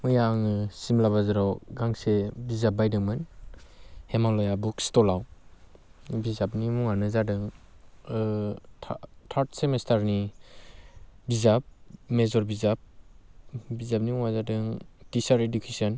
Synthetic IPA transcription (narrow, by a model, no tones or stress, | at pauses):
mɯjaŋɯsimlaβazɯɾawɡaŋsebizap̚bajdɯŋmɯn | hemalɔjabukstɔlaw | bizapnimuŋanɯzadɯŋ | tʰaɾtʰsemestaɾni | bizap̚mezɔɾbizap̚ | bizap̚nimuŋazadɯŋtisaɾedukʰesɔn